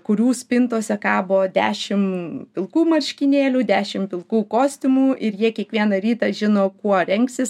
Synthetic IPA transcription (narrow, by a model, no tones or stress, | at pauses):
kʊɾʲuːsʲpʲɪnt̪oːsʲɛkɑːboːd̪ʲæ̰ːʃʲɪmpʲɪlˠkuːmɐɾʲʃʲkʲɪnʲeːlʲuːd̪ʲæːʃʲɪmpʲɪlˠkuːkoːsʲt̪ʲɪmuːʔɪɾjiɛkʲiɛkʋʲiɛnɐɾʲiːt̪ɑʒʲɪnoːkuɔɾʲɛŋksʲɪs